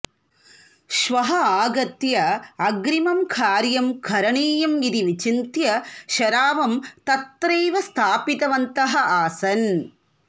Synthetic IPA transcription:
ʃʋɐɦɐaːɡɐt̪jɐːɡɾimɐmkʰaːɾjɐmkʰɐɾɐɳeːjɐmid̪iʋit͡ʃint̪jɐʃɐɾaːʋɐmt̪ɐt̪ːɾeːʋɐst̪ʰaːpit̪ɐʋɐnt̪ɐɦɐ̆aːsɐn

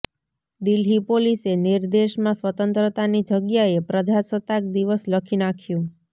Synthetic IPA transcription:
d̪ilɦipoliseniɾd̪eʃmãsʋət̪ənt̪ɾət̪anid͡ʒəɡjaepɾəd͡ʒasət̪ak̚d̪iʋəsləkʰinakʰjũ

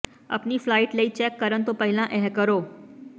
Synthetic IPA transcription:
ə̰pniːflaiʈləiːt͡ɕɛkːəɾənt̪opəɦilãʔɛɦkəɾo

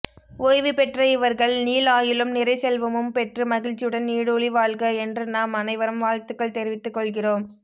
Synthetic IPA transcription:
oːjʋipɛʈrɐɪʋɐɾɣɐɭniːlaːjɪlɯmnɪɾɐɪsɛlʋɐmɯmpɛʈrɯmɐɣɪɭt͡ʃːɪjɯɽɐnniːɽɯɔɭiʋaːɭɣɐɛndrɯnaːmɐnɐɪʋɐɾɯmʋaːɻt̪ɯkːɐɭt̪ɛɾɪʋɪt̪ːɯkːɔɭɣɪroːm

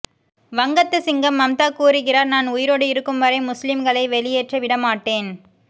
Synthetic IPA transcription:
ʋɐŋɡɐt̪ːɯsɪŋɡɐmːɐmt̪aːkuːɾɯɣɪraːɾnaːnʊjɪɾoːɽɯɪɾɯkːɯmʋɐɾɐɪmʊslɪmɡɐɭɐɪʋɛɭɪjeːʈrɐʋɪɽɐmaːʈːeːn

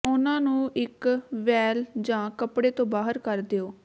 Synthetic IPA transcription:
ʊnãːnũːʔɪkʋɛːld͡ʒãːkəpɽeːt̪õːbaːɦəɾkəɾd̪eoː

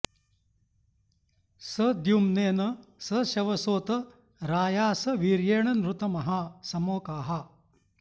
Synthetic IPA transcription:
sɐd̪jumneːnɐsɐʃɐʋɐsoːt̪ɐ | ɾaːjaːsɐʋiːɾjeːɳɐnɾut̪ɐmɐɦasɐmoːkaːɦɐ

